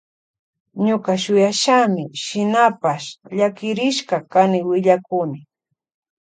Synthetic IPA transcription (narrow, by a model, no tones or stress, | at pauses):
ɲʊkaʃʊjaʃamɪʃɪnapaʃʎakɪɾɪʃkakanɪwɪʎakʊnɪ